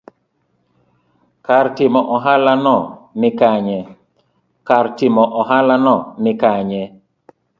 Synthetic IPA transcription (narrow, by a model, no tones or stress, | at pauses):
kaɾtɪmɔʔɔɦalanɔnɪkaɲɛ | kaɾtɪmɔʔɔɦalanɔnɪkaɲɛ